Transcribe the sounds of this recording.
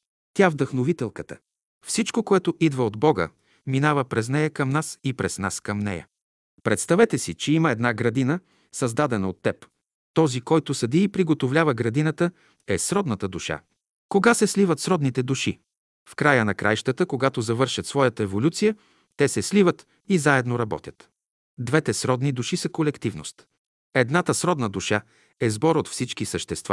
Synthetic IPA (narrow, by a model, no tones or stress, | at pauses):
t̪ʲavd̪ɐxnovit̪ɛlˠkət̪ə̰ | fsit͡ʃkokoɛt̪oʔid̪vəod̪bɔɡə̰ | minavəpɾɛznɛjəkɐmnasipɾɛsna̰skəmnɛ̰jə̰ | pɾɛt̪st̪ɐvɛt̪ɛsit͡ʃɛiməɛd̪naɡɾɐd̪inə | sɐzd̪ad̪ɛnɐot̪ːɛp | t̪ɔzikɔjt̪ʊsɐd̪iːpɾiɡot̪ovlʲavəɡɾɐd̪inət̪ə | ɛsɾɔd̪nət̪əd̪uʃa̰ | koɡasɛslivət̪sɾɔd̪nit̪ɛd̪uʃi | fkɾajənɐkɾʔa̰jʃt̪ət̪əkoɡat̪ozɐvɤɾʃɐt̪svɔjət̪əɛvolʲut̪sijə | t̪ɛsɛslivət̪ | izaɛd̪noɾɐbɔ̰t̪ʲət̪ | d̪vɛt̪ɛsɾɔd̪nid̪uʃisəkolɛkt̪ivno̰st̪ | ɛd̪nat̪əsɾɔd̪nəd̪uʃa | ɛzbɔɾot̪fsit͡ʃkisəʃt̪ɛst̪va̰